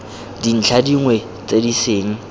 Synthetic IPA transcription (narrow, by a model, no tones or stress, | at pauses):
din̩t͡ɬʰadiŋwe | t͡sʼediseːŋ̩